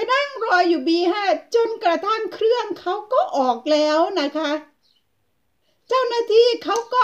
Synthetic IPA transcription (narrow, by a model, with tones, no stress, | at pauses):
jna˥˩ŋɾɔː˧jːuː˨˩biː˧ɦa˧˥˩t͡ɕo˧nkɾa˧t̪a˥˩ŋkʰɾɯ˥˩əŋkʰa˦˥wkɔː˥˩ʔɔː˨˩k̚lɛː˦˥wna˦˥kʰa˦˥ | t͡ɕa˥˩wnaː˧˥˩t̪ʰiː˥˩kʰa˦˥wkɔː˧˥˩